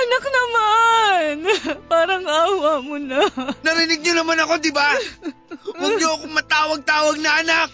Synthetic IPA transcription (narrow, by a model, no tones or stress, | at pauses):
ʔɐnɐk̚nɐmanpaːɾɐŋaːwamonanɐɾɪnɪɡ̚ɲonɐmanɐko̞d̪ɪba | wɐɡ̚ɲoɐkoŋmɐt̪aːwɐɡ̚t̪aːwɐɡ̚nɐʔɐnak̚